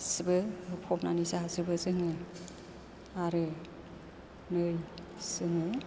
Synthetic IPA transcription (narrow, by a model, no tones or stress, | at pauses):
sɯbɯɯpʰɔpnanisaɦasɯbɯzɯŋɯ | aɾɯ | nɯj | sɯŋɯ